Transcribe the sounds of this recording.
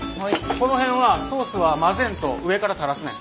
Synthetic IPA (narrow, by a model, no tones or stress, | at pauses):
ko̞no̞ɦẽ̞ɰ̃βaso̞ːsɨβamazẽ̞nt̪o̞ɯ̟e̞kaɾat̪aɾasɨnã̰